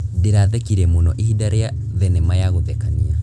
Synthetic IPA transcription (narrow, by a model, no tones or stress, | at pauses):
deɾaðɛkiɾɛmonɔʔehidaɾea | ðɛnɛmajaɣotɛkania